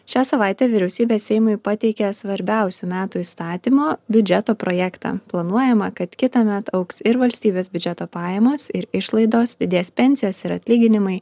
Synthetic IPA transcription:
ʃʲæːsɐʋɑˑɪt̪ʲɛːʋʲɪɾʲɛʊsʲiːbʲeːssʲɛɪmʊɪpɑt̪ʲɛɪkʲɛsʋɐɾʲbʲæˑʊsʲuːmʲæːt̪uːist̪ɑːt̪ʲiːmoːbʲʊd͡ʒʲɛt̪oːpɾoːjɛkt̪ɑ̰ːplˠɐnuɔjɛmɐkɐt̪kʲɪt̪ɐmʲɛt̪ɐʊksɪɾʋɐlʲsʲt̪ʲiːbʲeːsbʲʊd͡ʒʲɛt̪oːpɑːjɛmoːsɪɾɪʃlˠɐɪd̪oːsd̪ʲɪd̪ʲeːspʲɛnʲsʲɪjoːsɪɾɐt̪ʲlʲiːɡʲɪnʲɪmɐɪ

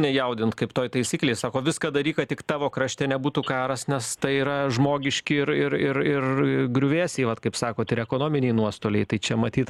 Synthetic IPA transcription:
nʲɛjɛʊd̪ʲɪnt̪kɐɪpt̪oːjt̪ɐɪsʲiːklʲeɛɪsɑːkoːʋʲɪskɐd̪ɐɾʲiːkɐtt̪ʲɪkt̪ɑːʋoːkɾɐʃʲt̪ʲeːnʲɛbuːt̪uːkɑːɾɐsnʲɛst̪ɐɪiːɾɐʒmoːɡʲɪʃʲkʲɪɪɾɪɾɪrɪrɡɾʲʊʋʲeːsʲeɪʋɐt̪kɐɪpsɑːkoːt̪ɪɾɛkoːnoːmʲɪnʲeɪnuɔst̪oːlʲɛɪt̪ɐɪt͡ʃʲɛmɐt̪ʲiːt̪

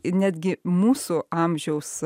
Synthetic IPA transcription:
nʲæːd̪ʲɡʲɪmuːsʊɑmʲʒʲɛʊs

